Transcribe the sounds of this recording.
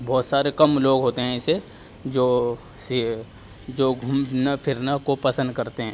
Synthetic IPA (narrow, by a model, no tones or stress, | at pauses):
bɔːt̪saːɾekɐmloːɡɦoːt̪eɦɛ̃ɪse | d͡ʒoː | s | d͡ʒoːɡʱumnapʰɪɾnakopɐsə̃nd̪̚kɐɾt̪eɦɛ̃ː